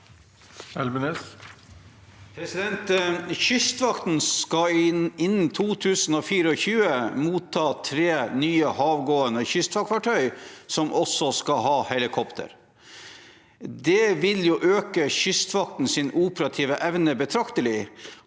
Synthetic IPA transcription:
ɛlmənes | pʰɾɛsɪd̪ɛnt̪çʏst̪ʋɑkt̪n̩skɑɪnn̩t̪ʰuːt̪ʰʉːsn̩oːfiːɾəɔçʉːəmuːt̪ʰːɑːt̪ʰɾeːnyːəhɑːʋɡoːənəçʏst̪ʋɑkʰʋɑʈʰœʏsɔmʔɔsɔskɑhɑːhɛlɪkʰɔpt̪ʰə̰ɾ | d̪ɛʋɪljʊʔøːkəçʏst̪ʋɑkt̪n̩sɪnuːpəɾɑt̪ʰiːʋəʔɛʋnəbət̪ʰɾɑkt̪əlɪ

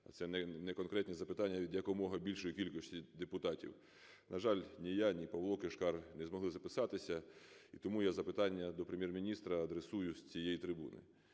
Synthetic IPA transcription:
ɐ̰t̪sɛnɛnɛkɔnkɾɛt̪ʲnʲizɐpɪt̪ɑnʲːɐʋʲid̪ʲjɐkɔmɔɦɐbʲilʲʃɔjikʲilʲkɔsʲtʲid̪epʊt̪ɑtʲḭw | nɐʒɑlʲnʲijanʲipɐwlˠɔkɪʃkɑrnɛzmɔɦlˠɪzɐpɪsɑt̪ɪsʲɐit̪ɔmujazɐpɪt̪ɑnʲːɐd̪ɔpɾemʲjɛrmʲinʲist̪ɾɐɐd̪ɾesujʊsʲt͡sʲijejit̪ɾɪbṵnɪ̰

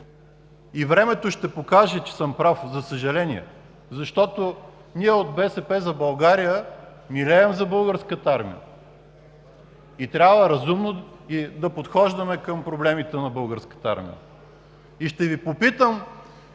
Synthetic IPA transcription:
ivɾɛmɛt̪oʃt̪ɛpokaʒɛt͡ʃɛ̥sɤmpɾafzɐsəʒɐlɛniɛ̰ | zɐʃt̪ɔt̪o | niɛod̪̚bɛsɛpɛzɐbɐlˠɡaɾijə | milɛɛmzɐbɤlˠɡəɾskət̪aɾmḭə̰ | it̪ɾʲabvəɾɐzumno | id̪ɐpot̪xɔʒd̪ɐmɛkəmpɾoblɛmit̪ɛnɐbɤlˠɡəɾskə̥t̪əa̰ɾmḭjə̰ | iʃt̪ɛvipopit̪əm

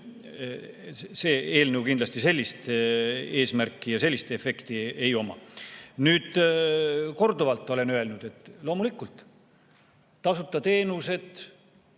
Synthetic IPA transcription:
se̞ːe̞ːlnəwkind̪lɑst̪ise̞lʲːist̪ | e̞ːsmærkːˑijɑse̞lːist̪e̞fe̞kt̪iejo̞mɑ̰nyːd̪̥ | ko̞rd̪ovɑlt̪ˑːo̞le̞nøe̞lnud̪̥e̞t̪ːˑlo̞ːmulikːˑult̪ˑ | ɑsut̪ːˑɑt̪e̞ːnuse̞d̪

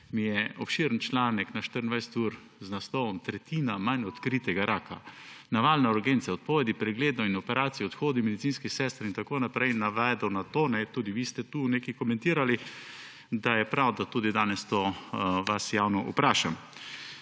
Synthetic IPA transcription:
mijɛɔpʃiɾnt͡ʃlaːnɛknaʃt̪əɾənd̪ajsɛ̥t̪uːɾ | znast̪ɔʋɔmt̪ɾɛt̪iːnamanɔt̪kɾiːt̪ɛɡaɾaːkanaʋaːlnauɾɡent̪sɛɔt̪̚pɔʋɛd̪ipɾɛɡleːd̪nɔinɔpɛɾʔaːt̪sijɛɔt̪xoːd̪imɛd̪it̪siːnskisɛst̪ɾint̪akoːnapɾɛjnaʋɛd̪ɔwnat̪oːnɛt̪uːd̪iʋist̪ɛt̪uːnekikɔmɛ̃nt̪iːɾali | d̪ajɛpɾawd̪at̪uːd̪id̪aːnɛst̪oːʋasjaːwnɔʔṵpɾaːʃam

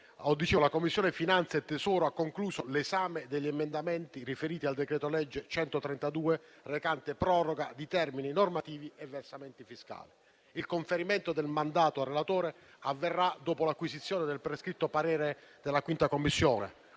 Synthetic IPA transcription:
ɔd̪ːit͡ʃeːlakomːisːjɔːnefinant̪sjat̪ːesɔːɾoakːoŋkluːsolesaːmed̪eʎːiemend̪amɛnt̪irifeɾiːt̪iald̪ekɾɛːt̪olɛd͡ʒːet͡ʃɛnt̪ot̪ɾɛnt̪ad̪uːe | rekant̪epɾɔroɡad̪it̪ɛrmininormat̪iːvievːersamɛnt̪ifiska̰ːli | ilkoɱfeɾimɛnt̪od̪elmand̪aːt̪oarːelat̪oːɾe | avːerːad̪oːpolakwisit̪sːjɔːned̪elpɾeskɾit̪ːopaɾɛːɾed̪elːakwint̪akomːisːjɔːnḛ

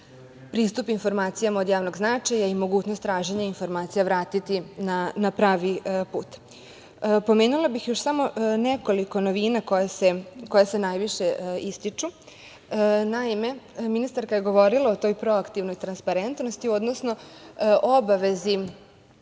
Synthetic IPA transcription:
pɾiːst̪upinfo̞ɾmaːt̪sijamaod̪jaːʋno̞ɡznat͡ʃajaimo̞ɡuːt͡ɕnost̪ːɾaːʒeɲainfo̞ɾmaːt̪sijaʋɾaːt̪it̪inanapɾaːʋipuːt̪ | po̞meːnulabixjoʃsamo̞neko̞liko̞noʋiːnako̞jaseko̞jase̞najʋiʃe̞ist̪it͡ʂu | naime̞minist̪aɾkajeɡo̞ʋo̞ɾilˠaot̪o̞jpɾo̞akt̪iʋnojt̪ɾanspaɾent̪nost̪io̞d̪nosno̞ʔobaʋe̞zi

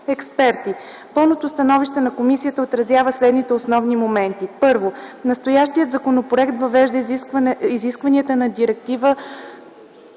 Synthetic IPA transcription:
ɛkspɛɾt̪i | pɤlˠnot̪ost̪ɐnɔviʃt̪ɛnɐkomisijət̪əot̪ɾɐzʲjavəslɛd̪nit̪ɛosnɔvnimomɛnt̪ipɤɾvonɐst̪ojaʃt̪ijət̪zɐkonopɾoɛkt̪vɐvɛʒd̪ə | iziskvɐniət̪ənɐd̪iɾɛk̚t̪ivə

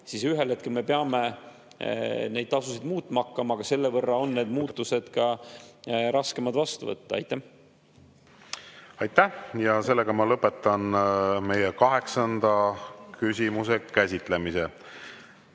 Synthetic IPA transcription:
sisyɦelhe̞t̪̚ke̞lme̞peɑme̞ | ne̞jd̪̥̚t̪ɑsusid̪̥muːt̪ːˑmɑkˑːɑmɑːɡ̥ɑse̞lːe̞vɤrːɑo̞nːe̞ːd̪muːt̪ːˑuse̞d̪̥kɑ | ɾɑske̞mɑd̪vɑst̪uvɤ̰t̪ːɑɑ̰jt̪ːæh | ɑjt̪ːæjɑse̞lːeɡɑmɑlɤpːˑet̪ːˑɑnme̞jekɑɦe̞ksɑnd̪̥ɑkysʲimuse̞kæsʲit̪ˑle̞mise

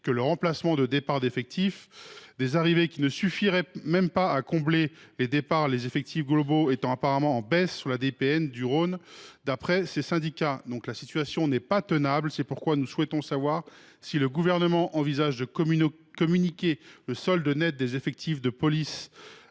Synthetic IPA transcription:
kələʁɑ̃plasmɑ̃d̪əd̪epaʁd̪efɛk̚t̪ʰifd̪ezaʁivekʲinəsyfiʁɛmɛmpaakɔ̃bleled̪epaʁlezefɛk̚t̪ʰifɡlɔboet̪ɑ̃apaʁamɑ̃ɑ̃bɛsːyʁlad̪epeɛnd̪yʁond̪apχɛsesɛ̃d̪ikʲad̪ɔ̃klasit̪ɥasjɔ̃nɛpat̪ənablsɛpuʁkwanuswɛt̪ɔ̃savwaʁ | siləɡuvɛʁnəmɑ̃ʔɑ̃vizaʒd̪ə | kɔmynikʲeləsɔld̪ənɛt̪̚d̪ezefɛk̚t̪ʰifd̪əpɔlis

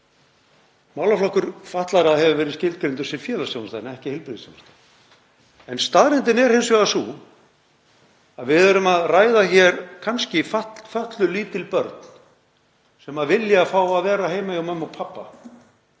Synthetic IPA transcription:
maːwlaflɔhkʏɾ̥faht̪laɾahɛvɪvɛːɾɪðscɪlt̪kɾejnt̪ʏ̥ɾsɛfjɛːlasownat̪ajnɛhcɪhɪlpɾɪðɪsjo̰wnast̪an | ɛnst̪aðɾɪnt̪ɪnɛɾ̥hejnsvɛɣasuː | aðvɪðœɾʏmaðraːjðaçɛɾ̥kʰanscɪfafœht̪lʏliːt̪ɪlpœɾt̪n | sɛmaðvɪljaːfaːwaðvɛːɾaheːjmajawmɛmawpʰapːa

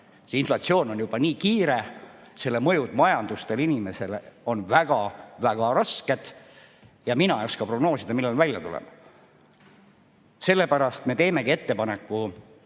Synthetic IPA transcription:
seinflɑt̪sio̞ːno̞njub̥ɑniːkiːɾe̞ | se̞lːemɤ̞jud̪mɑjɑnd̪̥ust̪e̞linime̞se̞lo̞nvæɡ̥ɑvæɡ̥ɑɾɑske̞d̪̥ | jɑminɑjoskɑpro̞ɡ̥no̞ːsid̪ɑmilːenvælʲjɑt̪ulḛmɑ | se̞lːe̞pæɾɑst̪me̞t̪e̞ːme̞kie̞t̪ːe̞pɑnekːˑu

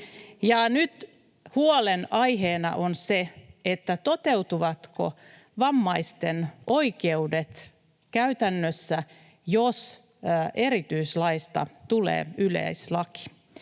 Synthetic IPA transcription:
jɑnyt̪ | huolenɑjɦeːnɑ̰ʔonseet̪ːæt̪o̞t̪e̞wt̪uʋɑt̪ko̰ | ʋɑmːɑist̪enʔo̞ikeudet̪ | kæyt̪ænːøsːæ | jos | ʔe̞ɾit̪yislɑist̪ɑ̰t̪ulḛːylḛislɑki̥

